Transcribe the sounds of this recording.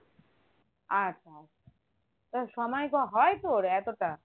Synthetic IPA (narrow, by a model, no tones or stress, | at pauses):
aa | a | t̪ɔsɔmajkɔɦɔjt̪oɾɛkɔt̪a